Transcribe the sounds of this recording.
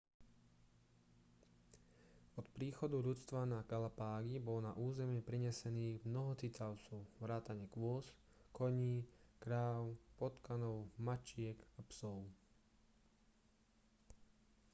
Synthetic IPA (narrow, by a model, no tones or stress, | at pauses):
ɔt̪pɾiːxɔd̪uʎut͡st̪ʋanaɡalapaːɡibɔlnaʔuːzɛmɪɛpɾiɲɛsɛniːɣmnɔɦɔt͡sit͡s̪aʊt͡sɔʊʋɾaːt̪aɲɛkʋʊɔs | kɔɲiːkɾaːʊpɔt̪kanɔʊmat͡ʃɪɛkapsɔʊ